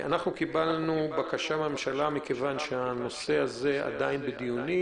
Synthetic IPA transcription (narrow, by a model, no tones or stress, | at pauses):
ʔa̰naχnukibalnubakaʃabememʃalamikevanʃeano̞se̞aze̞a̰d̪ainbed̪ijuni